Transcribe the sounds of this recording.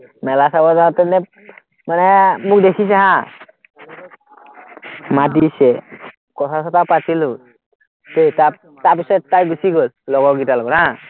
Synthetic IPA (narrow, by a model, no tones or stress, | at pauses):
mɛlasabɔdat̪ɛnɛ | manɛmuk̚dekʰis̬aɦã | madisɛ | kɔt̪ʰasɔt̪ʰapatilu | t̪eta | tabisɔjtajɡusiɡollɔɡɔɡitalɔɡɔɾɦã